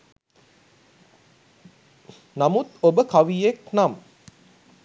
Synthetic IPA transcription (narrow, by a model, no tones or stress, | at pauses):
namut̪obəkaʋijeknam